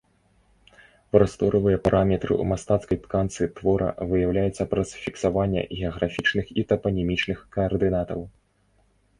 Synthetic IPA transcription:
pɾɐst̪ɔɾɐvɨjɐpaɾʔamʲɛt̪ɾɨ̰ṵmast̪at̪skɐjt̪kant̪sɨt̪vɔɾʔɐ̰vɨjawlʲajɛt̪sːɐpɾɐsfʲiksavanʲːɛ̰ɣʲɛɐɣɾafʲit͡ʂnɨxit̪ɐpɐnʲɛmʲit͡ʂnɨxkɐːrd̪ɨnat̪ɐw

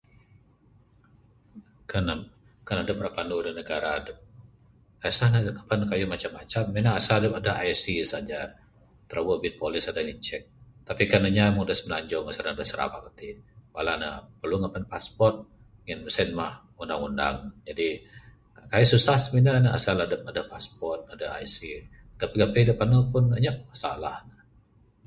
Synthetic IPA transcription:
kana | kanadəp̚rapanudənəɡaɾaːdəp̚ | kasahaŋapankajumat͡ʃamːat͡ʃamːinaasadəpadaajsisad͡ʒa | t̪əɾʔawəbɪt̪̚polɪsadaŋət͡ʃɛk̚t̪apikanaɲamuŋdəsmənaɲd͡ʒɔŋasaɾnadəsəɾa̰ba̰kat̪iwalana̰pərluŋapanpaspɔrt̪̚ | ŋənəsɛnmah | undaŋunda̰ŋd͡ʒadi | kajususahsminanəa̰salahdəmadapaspɔrt̪̚adaa̰isi | ɡ̥apeɡapedəpanəpʊnəɲaʔmasa̰lahnə

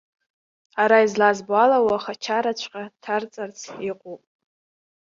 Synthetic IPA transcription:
aɾaizlazbwalawaχat͡ʃʰaɾat͡ɕʷʰqʲʼatʰart͡sʼart͡sʰiqʷʼupʼ

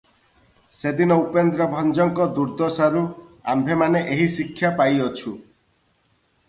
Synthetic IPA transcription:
sed̪inɔupend̪ɾɔbʱɔnd͡ʒɔŋkɔd̪uɾd̪ɔsaɾua̰mbʱemaneʔeɦisikʰːjapajɔt͡ʃʰu

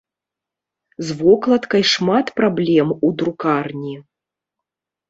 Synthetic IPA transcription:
zvɔklˠɐt̪kɐjʂmat̪pɾablʲɛmud̪ɾukarnʲi

